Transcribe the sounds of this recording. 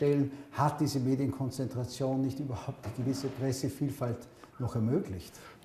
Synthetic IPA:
tɛlənhat̚d̥iːzəmeːdjənkʰɔnt͡sɛntʁ̥at͡sjoːnːɪçtyːbɐhaʊp̚t̚d̥iːɡəvɪsəpʁ̥ɛsəfiːlfalt | nɔχɛɐmøːɡlɪçt

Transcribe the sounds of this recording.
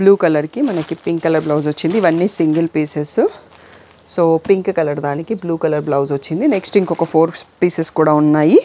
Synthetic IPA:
bluːkɐlɐɾkimɐnɐkipiŋkːɐlɐɾblɐwzʋot͡ʃːind̪iːʋɐnːiːsiŋɡɐlpiːsesu | soːpiŋkkɐlɐɾd̪aːnikibluːkɐlɐɾblɐwzʋoɐt͡ʃːind̪ineksʈiŋkɔkɐpʰoːɾpiːseskuːɽaːunːaːji

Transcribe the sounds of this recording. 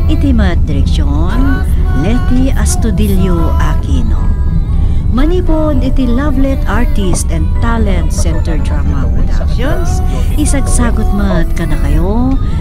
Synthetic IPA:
ʔɪt̪imɐt̪̚d̪ɪɾɛkʃo | n | lɛt̪iʔɐst̪ʊd̪iljoʔakino̰ | mɐniːponɪt̪ilablɛt̪aɹt̪ist̪ɛ̃nd̪̚t̪alɛnt̪sɛnt̪ɛɹt̪ɹamapɹɔd̪a̰kʃons | ʔɪsɐɡsaːɡot̪̚mɐt̪̚kɐnɐkɐjo

